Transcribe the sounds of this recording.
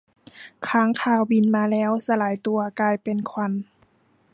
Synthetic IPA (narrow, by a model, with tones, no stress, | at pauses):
kʰaː˧˥˨ŋkʰaː˧˩wbi˧˩nmaː˧lɛː˦˧˥wsa˧laː˨˦jt̪u˧ɐkaː˧jpe˨nkʰwa˧n